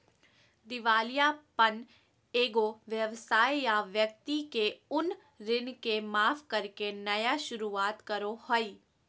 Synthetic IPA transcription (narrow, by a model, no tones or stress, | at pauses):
d̪ɪʋaːlijapən | eːɡoʋjəʋsaːjjaʋjək̚t̪ikeʊn | ɾɪnkemaːfkɐɾkenɐjaʃʊɾuaːt̪kɐɾohoiː